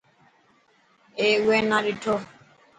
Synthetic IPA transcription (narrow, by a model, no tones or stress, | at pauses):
ɛwɛnaɗitʰɔ